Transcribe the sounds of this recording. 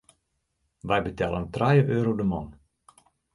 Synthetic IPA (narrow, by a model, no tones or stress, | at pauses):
ʋɛjbətɛlˠəntrajəʔøːɾowdəmɔn